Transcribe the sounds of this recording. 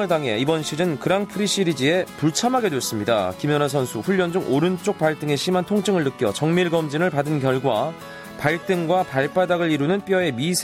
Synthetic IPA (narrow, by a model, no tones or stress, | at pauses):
ɯɭtaŋɦe̞̰ibʌnɕʰiɾɯnkɯɾaŋpʰɯɾiɕ͈iɾid͡ʑie̞puɭt͡ɕʰamɦaɡe̞dwes͈ɯmɲidakimjʌnas̬ʰʌnsʰuɸuʎːʌnd͡ʑoŋʔoɾɯnt͡ɕ͈ok̚paɭt͈ɯŋe̞ɕ͈ʰimantʰoŋt͡ɕʰɯŋɯɭːɯk͈ʰjʌ̰t͡ɕʌŋmiɭɡʌmd͡ʑiŋɯɭpadɯnkjʌɭɡwa | paɭt͈ɯŋɡwapaɭp͈adaɡɯɭiɾunɯnp͈iʌe̞misʰ